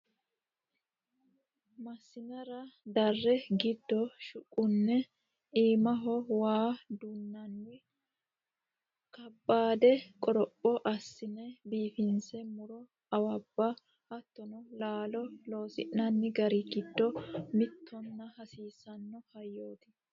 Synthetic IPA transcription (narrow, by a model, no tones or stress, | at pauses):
mɐsːɪnɐɾɐd̪ɐrːɛɡɪd̪ːɔʃʊkʼːʊnːɛ | iːmɐɦɔwaːd̪ʊnːɐnːɪ | kɐbːaːd̪ɛkʼɔɾɔpʼːɔʔɐsːɪnɛbiːfɪnsɛmʊɾɔ | ɐwɐbːɐ | hɐt̪ːɔnɔlaːlɔlo̞ːsɪ̰ʔnɐnːɪɡɐɾɪɡɪd̪ːɔmɪt̪ʰːɔnːɐhɐsiːsɐnːɔhɐjːo̞ːt̪ɪ